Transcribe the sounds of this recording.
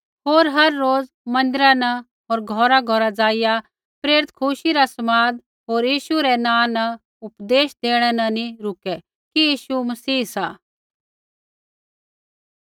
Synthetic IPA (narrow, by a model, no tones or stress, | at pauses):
ɦoːɾɦɐɾːoːd͡z | mɐ̃nd̪ɪɾanɐ | ɦoːɾɡʱɔːɾaɡʱɔɾad͡zaːɪja | pɾeːɾɪt̪kʰʊʃiɾasɐmaːd̪ | ɦoːɾjiːʃuɾɛnãːnɐ | ʊpd̪eːʃd̪eːɽ̃ɛnɐniɾʊkɛ | kijiːʃumɐsiːsaː